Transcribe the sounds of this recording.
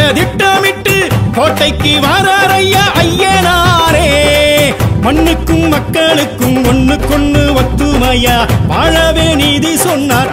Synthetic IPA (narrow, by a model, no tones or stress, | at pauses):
ɐd̪ɪʈːɐmɪʈːɯkoːʈːɐɪkːɯʋaːɾaːɾɐjːɐʔɐjːenaːɾeː | mɐɳːɯkːɯmmɐkːɐɭɯkːɯmɔnːɯkːɔɳːɯʋɐt̪ːɯmɐjɐʋaːɻɐʋeːniːðisɔnːaːɾ